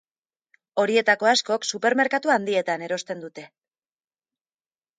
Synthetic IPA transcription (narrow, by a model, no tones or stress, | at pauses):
o̞ɾie̞t̪ako̞asko̞ksupe̞ɾme̞ɾkat̪uand̪ie̞t̪ane̞ɾo̞st̪e̞nd̪ut̪e̞